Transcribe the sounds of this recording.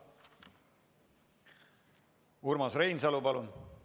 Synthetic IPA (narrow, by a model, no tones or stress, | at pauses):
uɾmɑsrejnsɑlupɑlun